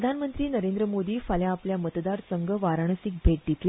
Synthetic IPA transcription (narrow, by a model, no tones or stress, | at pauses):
d̪ʱanmənt̪ɾiːnəɾẽnd̪ɾəmod̪iːfaljaːpljamət̪d̪aɾsəŋɡʱəʋaɾaɳ̃əsik̚bʱeʈ̚d̪it̪l